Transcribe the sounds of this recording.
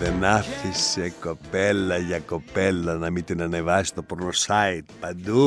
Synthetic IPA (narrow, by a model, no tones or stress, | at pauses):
enaθisekopɛlːajakopɛlːanamit̪inanevast̪opɔɾnosajt̪pad̪u